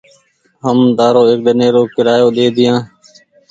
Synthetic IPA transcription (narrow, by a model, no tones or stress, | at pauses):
ɦəmd̪aːɾoːeːk̚ɗ̪ɪneːɾoːkɪɾaːjoːɗ̪eːd̪ɪjãː